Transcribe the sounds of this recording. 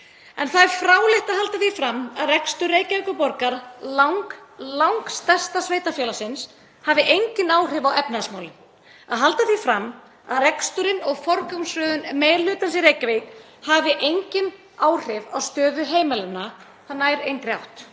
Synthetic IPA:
ɛnθaðɛɾfɾaːwlɪht̪aðhalt̪aθifɾamːaðrɛkst̪ʏɾeːjcavekʏpɔɾkaɾlawŋklawŋkst̪ɛst̪asveːjt̪afjɛːlasɪns | havɪʔejɲcɪnaːwr̥ɪvawɛpnasmawlɪn | aðɦalt̪aθifɾamː | a̰ðrɛkst̪ʏɾɪnɔɣfɔɾkamsvœːðʏnmeːjlʏːt̪ansɪɾeːjcavejk | havɪʔejɲcɪn | aːwr̥ɪva̰wst̪œːðʏɦeːjmɛlʏnːa | θanːajɾejnkɾja̰wht̪

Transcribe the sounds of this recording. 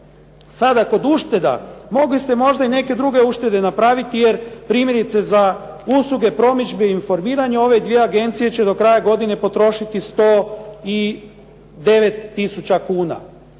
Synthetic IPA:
sad̪ako̞d̪uʃt̪e̞d̪a̰mo̞ɡlist̪e̞mo̞ʒd̪aine̞ke̞d̪ɾuɡe̞uʃt̪e̞d̪e̞napɾaːʋit̪ije̞ɾpɾiːmʲje̞ɾit̪se̞za | uslˠuɡe̞pɾo̞mid͡ʒbeiinfo̞ɾmiːɾaɲeo̞ʋe̞d̪ʋije̞aɡe̞nt̪sije̞t͡ɕe̞d̪o̞kɾaːjaɡo̞d̪ine̞po̞t̪ɾo̞ʃit̪ist̪o̞ːi | d̪e̞ʋet̪ːisut͡ɕakuːna̰

